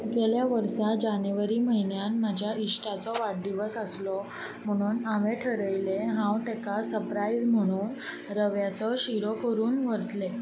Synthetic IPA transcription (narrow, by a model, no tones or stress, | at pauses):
ɡeljaʋəɾsad͡ʑanəʋaɾiːməɦinjanmad͡ʑʱjaiʂʈat͡sɔʋaɽɖiʋəsəslɔ | m̤əɽ̃uːnameʈʰəɾəjleɦãwt̪ekasəɾpɾaid͡zm̤əɽ̃uːn | ɾəʋjat͡sɔɕiɾokəɾuːnʋəɾt̪le